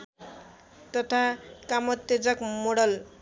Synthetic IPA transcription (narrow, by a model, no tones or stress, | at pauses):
t̪ʌt̪ʰakamʌt̪ːed͡zʌkmoɽʌl